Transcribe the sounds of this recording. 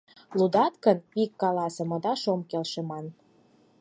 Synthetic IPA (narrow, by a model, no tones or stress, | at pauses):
lˠud̪ɑt̪kənikːɑlɑsɤ̆mɤ̆d̪ɑʃomkelʃemɑn